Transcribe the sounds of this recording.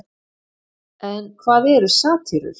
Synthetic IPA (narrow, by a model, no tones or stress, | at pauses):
ɛnkʰvaːðɛɾʏ̥saːt̪ʰiːɾʏ̰ɾ̥